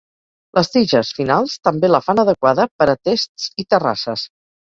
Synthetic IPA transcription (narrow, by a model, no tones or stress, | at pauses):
lʔəst̪iʒəsfinalˠst̪əmbeləfanəðəkwaðəpəɾət̪est̪t͡sit̪əra̰səs